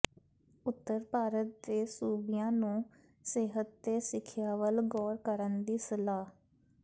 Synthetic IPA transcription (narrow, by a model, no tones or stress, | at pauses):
ʊt̪ːəɾpaːɾət̪̚d̪eːsuːbɪjãːnũː | seːɦət̪̚d̪eːsɪkʰjaːʋəlɡɔːɾkəɾənd̪iːsəlaː